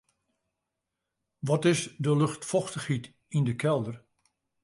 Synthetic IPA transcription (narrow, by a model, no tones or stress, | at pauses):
ʋɔtɪsdəlɵxtfɔxtəxhit | indəkʰɛlˠdər